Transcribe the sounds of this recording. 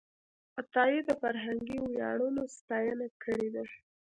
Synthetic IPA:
at̪ɑjid̪əfaɾɦaŋɡiwjɑ̰ɽunost̪ɑjənakʰəɽed̪a

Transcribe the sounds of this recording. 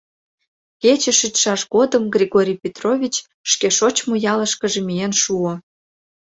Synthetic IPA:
ket͡ɕĕʃyt̪ʃɑʃɣod̪əmɡrʲiɣoɾʲijpʲet̪rovʲit͡ɕ | ʃkeʃot͡ɕmojɑləʃkə̆ʒemienʃuo

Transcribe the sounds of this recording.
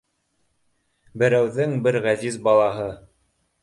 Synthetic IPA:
bɘ̆ɾæwðɘŋbɘɾʁæzizbɑlˠɑɦɤ

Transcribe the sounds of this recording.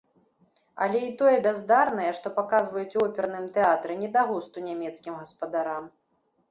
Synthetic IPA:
ɐ̰lʲɛit̪ɔjɛbʲazd̪arnɐjɛʂt̪ɔpakazvɐjut͡sʲɔpʲɛɾnɨmt̪ɛat̪ɾɛnʲɛd̪aɣust̪unʲamʲɛt̪skʲimɣɐspɐd̪aɾam

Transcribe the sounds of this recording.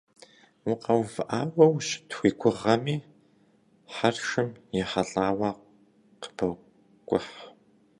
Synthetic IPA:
wʊqɐwvɨʔaːwɐwɕtxʷiːkʷʰʊʁɐmiː | ħarʃɨmjɛħɐɮaːwɑːq | qə̥b̥ɐ | kʷʼʊħ

